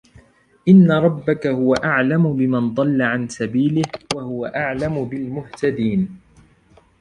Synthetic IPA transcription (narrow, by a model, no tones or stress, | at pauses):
ʔɪnːaɾˤɑbːakahʊwaʔaʕlamʊbɪmand̪ˤɑlːaʕansabiːlɪhwahʊwaʔaʕlamʊbɪlmʊht̪ad̪iːn